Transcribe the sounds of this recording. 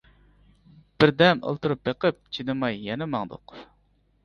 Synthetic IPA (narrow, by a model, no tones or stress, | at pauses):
b̥ɪɾd̪ɛmə̰lˠt̪uɾup̚b̪eqəp̚t͡ʃʰinɨmɑjːɛnɛmɑŋd̪ʊ̰q